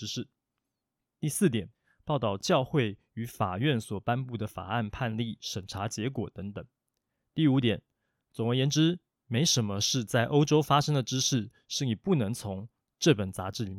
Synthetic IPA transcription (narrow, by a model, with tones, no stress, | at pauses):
ʂɻ̩˥˩ | t̪i˥˧sɹ̩˥˩t̪jɛ˨˩˦n | pɑ˥˧ʊt̪ɑ˥˧ʊt͡ɕjɑ˥˧ʊxwe˥˩ɪ | y˧˥fa̰˨˩ɥɛ˥˩nswɔ˨˩pa˥npu˥˩d̪ə˩fa̰˨˩a˥˩npʰa˥˧nli˥˩ʂə˨˩nʈ͡ʂʰa˧˥t͡ɕjɛ˧˥kwɔ˨˩t̪ə˧˥ŋt̪ə˨˩˦ŋ | t̪i˥˩u˧˥t̪jɛ˨˩˦n | t͡sʊ˨˩ŋwe˧˥jɛ˧˥nʈ͡ʂɻ̩˥ | me˧˥ɪʂə˧˥nmə˧ʂɻ̩˥˧t͡sa˥˩ɪʔo˥ʊʈ͡ʂo˥ʊfa˥ʂɤ˥ŋd̪ə˨ʈ͡ʂɻ̩˥ʂɻ̩˥˩ | ʂɻ̩˥˩ni˨˩pu˥˩nɤ˧˥ŋt͡sʰʊ˧˥ŋ | ʈ͡ʂɤ˥˩pə˨˩nt͡sa˧˥ʈ͡ʂɻ̩˥˩i˧˥